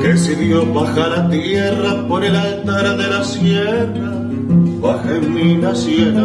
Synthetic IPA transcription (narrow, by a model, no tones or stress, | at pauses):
esiðjoβaxaɾat̪jerapoɾilaent̪eɾaðe̞lasjera | βaxemmilasjena